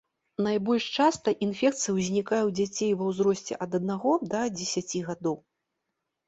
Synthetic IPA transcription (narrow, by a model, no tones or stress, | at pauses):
najbɔlʲʂt͡ʂast̪ɐʔinfʲɛk̚t̪sɨjɐwzʲnʲikajɛwd͡zʲat͡sʲejvɐwzɾɔsʲt͡sʲɛ̰ʔɐd̪ɐd̪naɣɔd̪ɐd͡zʲɛsʲat͡sʲiɣad̪ɔw